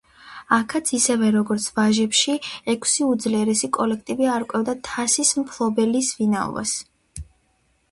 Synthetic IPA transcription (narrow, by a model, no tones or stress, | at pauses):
akʰat̪sʰisɛvɛɾɔɡɔɾt̪sʰvaʒɛpʃiɛkʰsiud̪zliɛɾɛsikʼɔlɛk̚ʰt̪ʼibiaɾkʼwɛvd̪at̪ʰasismpʰlˠɔbɛlisvinaɔ̰va̰s